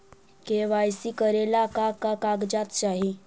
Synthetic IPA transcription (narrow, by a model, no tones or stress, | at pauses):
keʋajsiːkəɾelakakakaɡd͡ʑat̪t͡ɕaɦi